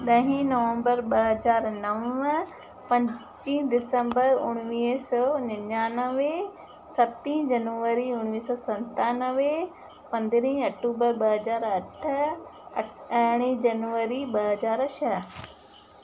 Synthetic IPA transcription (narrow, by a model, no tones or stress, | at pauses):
ɗɐɦĩnɐʋə̃mbəɾɓɐɦɐzaːɾnɐʋə | pɐ̃ɲ | t͡ʃĩːd̪ɪsə̃mbəɾʊɽ̃ʋiːsɔːnɐɲaːnəʋe | sɐt̪ĩːɦd͡ʒɐnʋəɾiʊɽ̃ʋiːsɔːsɐ̃nt̪aːnəʋe | pɐ̃nd̪ɾĩːɐk̚ʈuːbəɾɓɐɦɐzaːɾɐʈʰ | ɽ̃ĩːd͡ʑɐnʋəɾiɓɐɦɐzaːɾʃɐ